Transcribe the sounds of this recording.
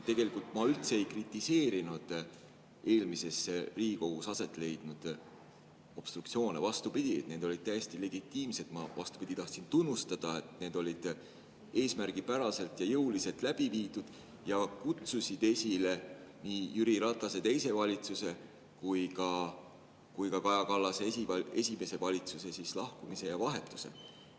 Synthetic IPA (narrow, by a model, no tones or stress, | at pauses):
t̪e̞ɡe̞likˑult̪ˑmɑylt̪seejkrit̪ːˑise̞ːɾinud̪̥ | e̞ːlmise̞sriːɡiko̞ɡ̥usɑse̞t̪ːˑle̞jd̪̥nud̪̥ | o̞b̥st̪rukt̪sio̞ːne̞vɑst̪upid̪̥ʲit̪ne̞ːd̪o̞lʲid̪̥̚t̪æjest̪ile̞ɡ̥it̪ˑːiːmse̞d̪mɑvɑ̰st̪u̥pid̪̥it̪ɑht̪sint̪unːust̪ɑd̪̥ɑe̞t̪ne̞ːd̪̥o̞lʲid̪̥ | e̞ːsmærɡ̥ipæɾɑse̞lt̪ˑjɑjɤuwlise̞lt̪ˑlæb̥iviːd̪ud̪̥ | jɑkut̪susid̪̥e̞sʲile̞niːjyɾiɾɑt̪ˑːɑse̞t̪e̞jse̞vɑlʲit̪suse̞ | kujkɑ | kujkɑkɑjɑkɑlːɑsesie̞sʲime̞se̞vɑlʲit̪suse̞sislɑhkumise̞jɑvɑɦe̞t̪ːˑu̥se̞̰